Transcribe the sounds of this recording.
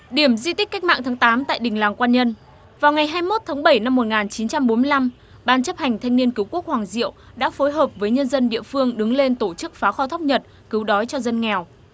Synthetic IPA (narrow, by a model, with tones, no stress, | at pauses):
ɗi˧˩əmzi˧t̪i˦˥k̟kːa˦˥k̚ma̰ː˧˨ŋt̪ʰaː˨˦ŋt̪aː˨˦mt̪a̰ː˧˨jɗï˨˩ŋ̟laː˨˩ŋkwaː˧nɲə˧n | vaː˨˩wŋa˨˩jɦaː˧jmo˦˥t̚t̪ʰaː˨˦ŋɓə˧˩jna˧mːo˨˩t̚ŋaː˨˩nt͡ɕi˨˦nt͡ɕa˧mɓo˨˦nmɨ˧jla˧m | ɓaː˧nt͡ɕə˦˥p̚ha˨˩ŋ̟t̪ʰa˧jŋ̟ni˧ənkɨ˨˦wku˦˥ək̚hwaː˨˩ŋzḭ˧˨əw | ɗa̰ː˧˥fo˨˦jɦəː˨˩p̚vəː˨˦jɲə˧nzə˧nɗḭ˧˨əfɨ˧əŋɗɨ˨˦ŋle˧nt̪o˧˩t͡ɕɨ˦˥k̚faː˨˦xɔ˧t̪ʰwk͡p̚ɲə˨˩t̚ | kɨ˨˦wɗɔ˨˦jt͡ɕɔ˧zə˧nŋɛ˨˩w